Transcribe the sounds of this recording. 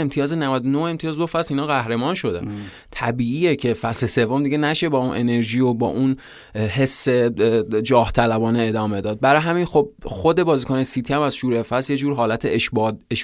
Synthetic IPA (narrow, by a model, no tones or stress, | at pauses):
emt̪ʰijɒːzenævæd̪onohe̞mt̪ʰijɒːzd̪ofæsiːnɒːɣæhɾe̞mɒːnʃo̞d̪æ̰n | t̪ʰæbiːiːjecʰe̞fæslese̞vːomd̪iɡɟe̞næʃe̞bɒːunʔe̞ne̞ɾʒiːjobɒ̰ːʔun | ɦe̞sːe̞d͡ʒɒːht̪ʰælæbɒːneed̪ɒːme̞d̪ɒːd̪̚bæɾɒːjɦæmiːnxob̚xod̪e̞bɒːziːkʰonejesiːt̪ʰiæmæzʃuːɾefæsjed͡ʒuːɾɦɒːlæt̪ʰeʃbd̪eʃ